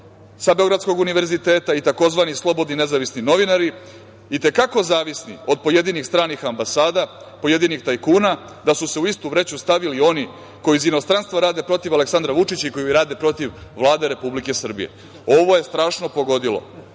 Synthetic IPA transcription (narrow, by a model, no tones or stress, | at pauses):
sabe̞ɡɾat̪sko̞ɡuniʋe̞ɾzit̪eːt̪ait̪ako̞zʋanislˠo̞bo̞d̪nine̞zaʋisnino̞ʋinaɾi | it̪e̞kako̞zaːʋisnḭo̞d̪̚po̞je̞d̪inixst̪ɾaːnixambasaːd̪a | po̞je̞d̪inixt̪ajkuːna | d̪asuse̞uist̪uʋɾet͡ɕust̪aʋilio̞ni | ko̞jizino̞st̪ɾanst̪ʋaɾaːd̪e̞pɾo̞t̪iʋale̞ksand̪ɾaʋut͡ʂit͡ɕaiko̞jiiɾaːd̪e̞pɾo̞t̪iʋʋlˠaːd̪e̞ɾe̞publike̞sr̩bḭjḛ | o̞ʋo̞je̞st̪ɾaːʃno̞po̞ɡo̞d̪ilo̰